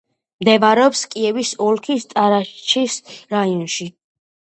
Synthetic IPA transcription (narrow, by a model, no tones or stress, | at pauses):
md̪ɛvaɾɛɔpskʼiɛvisɔlkʰist̪ʼaɾaʃt͡ʃʰisɾaiɔnʃi